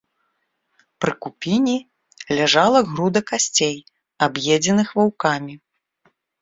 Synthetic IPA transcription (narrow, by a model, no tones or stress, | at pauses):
pɾɨkupʲinʲi | lʲaʐalˠɐɣɾud̪ɐkasʲt͡sʲej | abjɛd͡zʲɛnɨxvawkamʲi